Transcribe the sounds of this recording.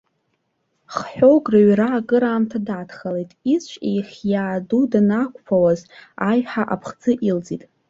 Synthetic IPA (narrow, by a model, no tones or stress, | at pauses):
χħʷᶣoɡraɥraːkʼɨɾaːmtʰadaːtʰχalejtʼist͡ʃʷʼejχʲjaːdudanakʷʰʼpʰawazajħaʔapʰχd͡zɨʔild͡zʼitʼ